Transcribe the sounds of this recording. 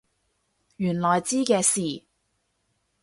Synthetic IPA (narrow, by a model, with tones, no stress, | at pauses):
jyː˨˩nlɔː˨jt͡siː˥kɛː˧siː˨˩